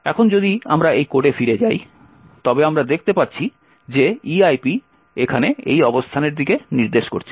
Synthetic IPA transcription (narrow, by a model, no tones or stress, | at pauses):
ɛkʰond͡ʑod̪ia̰mɾaejkoʈefiɾed͡ʑaj | t̪ɔbeamɾad̪ek̚ʰt̪epatːɕʰi | d͡ʑeiajpi | ekʰaneḛjɔbost̪ʰaneɾd̪ikeniɾd̪eʃko̰ɾt͡ɕʰe̥